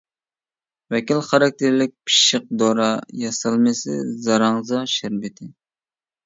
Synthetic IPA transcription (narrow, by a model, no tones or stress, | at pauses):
vɛkʲilχɑɾɑk̚ʲt̪ʰɪɾlɪk̚ʲpʰi̥ʃəq̚d̪oɾɑjɑsɑlˠmɨsɪ̰zɑɾɑŋzɑʃæɾbɪt̪ʰɪ